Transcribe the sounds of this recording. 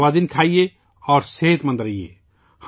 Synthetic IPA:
ad̪inkʰaːije | ɔːɾseːt̪mə̃nd̪ɾəijḛ | h

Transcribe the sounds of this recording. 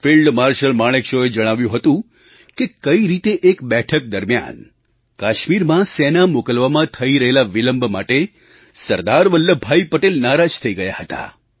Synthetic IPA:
filɖmaɾʃəlmaɭ̃ekʃoed͡ʒəɽ̃aʋjũɦət̪ũ | kekəiɾit̪eʔekbɛʈʰək̚d̪əɾmja̰n | kaʃmiɾmãsenamokəlʋamãt̪ʰəiɾəɦelaʋiləmbʱmaʈe | səɾd̪aɾʋəlːəbʱaipəʈelnaɾad͡ʒt̪ʰəiɡəjaɦət̪a̰

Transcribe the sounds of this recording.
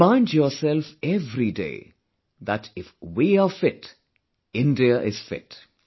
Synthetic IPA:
ãɪ̃ndjɔːsɛlfɛvɾidḛː | ðætɪfwiafɪt | ɪ̃ndiəʔɪz̥fɪ̰t

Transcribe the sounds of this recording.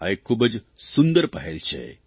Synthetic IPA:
a̰ekʰːuːbəd͡zsund̪əɾpəɦelt͡ɕʰḛ

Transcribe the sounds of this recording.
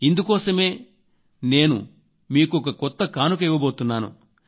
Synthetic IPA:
ind̪ukɔːsɐme̞ː | ne̞ːnṵ | miːkuɔkɐkɔt̪ːɐkaːnuk̬ɐiʋɐboːt̪unːaːnṵ

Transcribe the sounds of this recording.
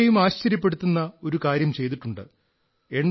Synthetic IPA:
ejumaːɕt͡ɕɐɾjɐp̬ːe̞ɽut̪ːunːɐo̞ɾukaːɾjɐmt͡ɕe̞jt̪̬iʈːuɳɖɨ̰ | e̞ɳɖ

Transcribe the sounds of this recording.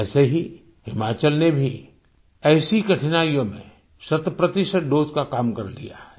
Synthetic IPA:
ɛːseɦi | hɪmaːt͡ʃəlnebʱi | ɛːsikɐʈʰɪnaːijõmḛ̃ | sɐt̪pɾɐt̪ɪʃəʈ̚ɖoːd͡ʒkakaːmkɐɾlḭja̰ɦɛ

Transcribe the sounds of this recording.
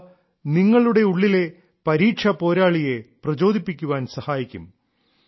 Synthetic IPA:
niŋːɐɭuɽe̞uɭːile̞ | pɐɾiːʈʂʰɐpo̞ːɾaːɭije̞prɐd͡ʑo̞ːd̪ʱipːikʲːuʋaːnsɐhaːjikʲːṵm

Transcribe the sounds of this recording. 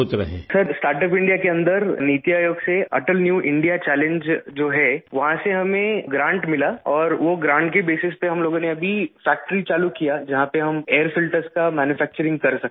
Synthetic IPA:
ot̪ɾɐɦḛ̃sɐɾsʈaːɾʈəp̬ɪ̃ɳɖijakeɐ̃nd̪əɾniːt̪jaːjoːɡseɐ̰ʈəlnjuːʔɪ̃ɳɖijat͡ʃɛːlẽɲd͡ʒd͡ʒoːɦɛʋɐɦãseɦɐmẽɡɾãːɳʈmɪlaɔːɾʋoɡɾãːɳʈkebeːsɪspeɦɐmloːɡõneɐbʱifɛːk̚ʈəɾit͡ʃaːlukijad͡ʒɐɦãpeɦɐmeːəɾfɪlʈəɾskamɛːnjufɛːk̚t͡ʃəɾɪ̃ŋɡkɐɾsɐk̚t̪ː

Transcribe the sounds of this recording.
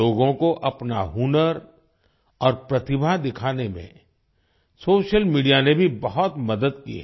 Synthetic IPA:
oːɡõkoʔɐpnaɦunəɾ | ɔːɾpɾɐt̪ɪbʱad̪ɪkʰaːnemḛ̃ | soːʃəlmiːɖijanebʱibɐɦɔt̪mɐd̪əd̪kḭɦ

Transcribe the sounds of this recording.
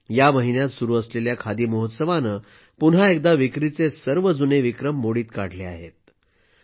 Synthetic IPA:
jaməɦinjat̪suɾuːəsleljakʰad̪iːməɦot̪səʋanə | punɦaek̚d̪aʋikɾit͡sesəɾʋəd͡zuneʋikɾəmːoɽiːt̪kaɽ̤lea̰ɦet̪̚

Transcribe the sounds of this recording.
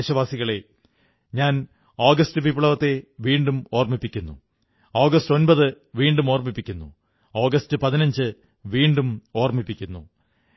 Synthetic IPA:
ɕɐʋaːsiɣɐɭe̞ | ɲaːn | oːɡɐstɨʋiːpiɭɐʋɐt̪ːe̞ʋiːɳɖumo̞ːrmipːikʲːunːṵ | oːɡɐsto̞nbɐðɨ | ʋiːɳɖumo̞ːrmipːikʲːunːṵ | oːɡɐstɨpɐðinɐɲd͡ʑɨ | ʋiːɳɖumo̞ːrmipːikʲːunːu

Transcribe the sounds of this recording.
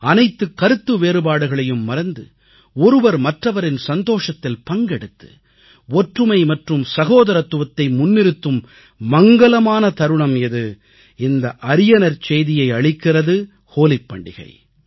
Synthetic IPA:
ɐnɐɪt̪ːɯkːɐɾɯt̪ːɯʋeːɾɯbaːɽɯɣɐɭɐjɯmːɐɾɐnd̪ɯ̰ | ɔɾɯʋɐɾmɐʈrɐʋɐɾɪnsɐnd̪oːʂɐt̪ːɪlpɐŋɡɛɽɯt̪ːɯ̥̰ | ɔʈrɯmɐɪmɐʈrɯmsɐɣoːðɐɾɐt̪ːɯʋɐt̪ːɐɪmʊnːɪɾɯt̪ːɯmː | ɐŋɡɐlɐmaːnɐt̪ɐɾɯɳɐmɪðɯ | ɪnd̪ɐʔɐɾɪjɐnɐɾt͡ʃejðɪjɐɪɐɭɪkːɪrɐðɯ | hoːlɪpːɐ̰ɳɖɪ̰ɣɐ̰ɪ

